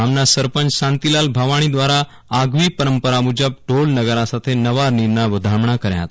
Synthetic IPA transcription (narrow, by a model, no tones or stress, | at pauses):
amnasəɾpənt͡ʃɕant̪ilalbʱaʋaɽ̃id̪ʋaɾaː | ɡʋiːpəɾəmpəɾamud͡ʒəb̚ʈolnəɡəɾasat̪ʰenəʋaɾniɾnaʋəd̪ʱamɳakəɾja̰t̪